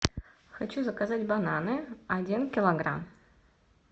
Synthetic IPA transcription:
xat͡ɕuzɐkazatʲbananɨadʲinkʲɪlˠoɡra̰m

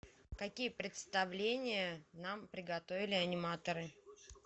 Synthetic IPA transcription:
kɐkʲijəpɾʲɪt̪st̪ɐvlʲenʲɪjənampɾʲɪɡɐt̪ovʲɪlʲɪɐnʲɪmat̪əɾɨ

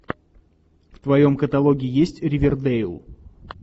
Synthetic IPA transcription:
ft̪vɐjo̞mkət̪ɐlˠoɡʲɪɪjesʲtʲɾʲɪvʲɪrd̪ejlˠ

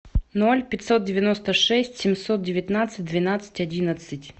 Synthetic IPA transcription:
nolʲpʲɪtʲsot̪̚dʲɪvʲɪnost̪əʂɛsʲtʲsʲɪmsot̪̚dʲɪvʲɪt̪nat̪sɨt̚ʲd̪vʲɪnat̪sɨ̥tʲɐdʲinət̪sɨtʲ

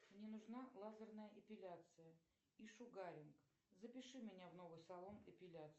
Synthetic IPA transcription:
mnʲenʊʐnalˠazərnəjəʔɐpʲɪlʲat̪sɨjə | iʂʊɡaɾʲɪnk | zəpʲɪʂɨmʲɪnʲavno̞vɨjsɐlˠo̞nɪpʲɪlʲat̪s

